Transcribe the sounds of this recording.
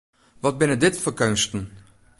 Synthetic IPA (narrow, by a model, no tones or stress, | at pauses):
vɑt̚bɪnədɪtfəkœnʃtən̩